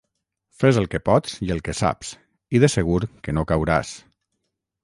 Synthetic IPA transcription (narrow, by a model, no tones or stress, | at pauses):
fezəlˠkəpɔt̪t͡siəlˠkəsa̰ps | iðəsəɣ̞uɾkənokawɾa̰s